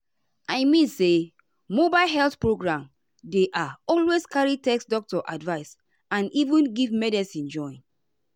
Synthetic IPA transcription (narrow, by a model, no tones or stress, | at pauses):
aɪmĩnse | mobaɪlɦɛlθpɹoɡɹãm | deʔaɔlweskaɹitɛksdɔk̚tɔʔadvaɪs | ãnivũnɡivmɛdɛsĩnd͡ʒɔ̃ɪ̃n